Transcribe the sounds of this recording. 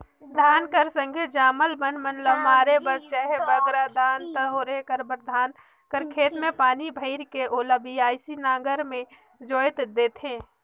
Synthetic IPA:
d̪ʱaːnkəɾsə̃ŋɡʱed͡ʒaːməlbənmənləbmaːɾebəɾt͡ʃɛɦebəɡɾad̪ʱaːnt̪əoːɾekəɾbəɾd̪ʱaːn | kəɾkʰeːt̪mẽpaːnibʱəɪɾkeʔoləbiaːɪsinaːɡəɾmẽ | d͡ʒoːjt̪d̪eːt̪ʰẽː

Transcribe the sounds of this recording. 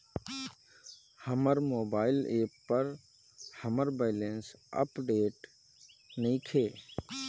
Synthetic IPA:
həməɾmoːbaːɪleːpːəɾ | həməɾbaɪlensə̰pɖeːʈ | nəĩkʰeː

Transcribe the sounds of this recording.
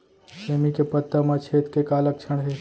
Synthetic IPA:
seːmikepət̪ːəmat͡ʃʰeːt̪kekaːlək̚t͡ʃʰɐɽ̃ɦe

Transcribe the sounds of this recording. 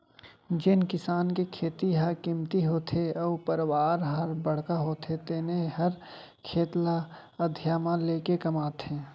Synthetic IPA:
d͡ʒɪnkɪsaːnkekʰeːt̪iɦɐɾkɪmt̪iɦoːt̪ʰeɔːpəɾwaːɾɦəɾbəɽ̤kaɦoːt̪ʰet̪eːneɦɐɾ | kʰeːt̪la | əd̪ʱjaːmãleːkekɐmaːt̪ʰẽː

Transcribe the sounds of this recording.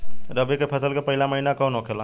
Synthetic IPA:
ɾəbikepʰəsəlkepəɦilaməɦinakə̃nõkʰelã

